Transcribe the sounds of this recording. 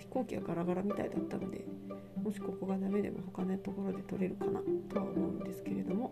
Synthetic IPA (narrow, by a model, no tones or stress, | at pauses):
çi̥ko̞ːkʲiɡa̰ɡaɾaɡaɾamʲit̪a̰id̪at̪ːa̰no̞d̪e̞̰ | mo̞ɕi̥ko̞koɡad̪ame̞d̪e̞̰mʔo̞̰ho̞kanot̪o̞ko̞ɾo̞d̪e̞t̪o̞ɾe̞ɾɯ̟kanat̪o̞βaomo̞ɯ̟̃nd̪e̞sɨ̥ke̞ɾe̞d̪o̞mo̞